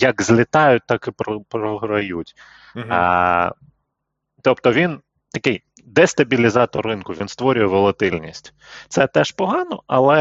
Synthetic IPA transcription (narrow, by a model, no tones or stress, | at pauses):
jɐkzʲlʲɪt̪ɑjʊt̚ʲt̪ɑkɪpɾɔpɾɔɦɾɐjutʲ | t̪ɔpt̪ɔʋʲin | t̪ɐkɪj | d̪ɛst̪ɐbʲilʲizɑt̪ɔrːɪnkʊʋʲinst̪ʋɔɾʲʊjɛʋɔlˠɐt̪ɪlʲnʲisʲtʲ | t̪sɛt̪ɛʃpɔɦɑnɔɐlˠɛ